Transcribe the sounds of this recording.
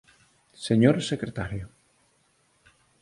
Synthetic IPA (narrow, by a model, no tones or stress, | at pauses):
seɲoɾsekɾet̪aɾjo